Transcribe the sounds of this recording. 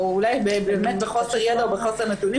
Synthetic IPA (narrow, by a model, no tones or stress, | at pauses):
ulajbebeːmet̪̚beχoseʁjed̪aobeχoseʁnet̪uni